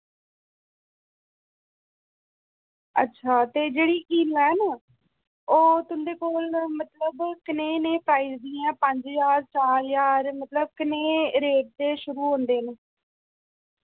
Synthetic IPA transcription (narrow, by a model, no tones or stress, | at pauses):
ə̰tːʃʰaːt̪eːd͡ʒeːɽiːʔiːlɛːnː | oːt̪ʊnd̪eːkoːlmət̪ləbkɪnẽːneːpɾaːizd̪iːãːpəɲd͡ʒjaːɾt͡ʃaːljaːɾmət̪ləb̚kɪneːɾeːʈ̚d̪eːʃʊɾuːɦõːnd̪eːneː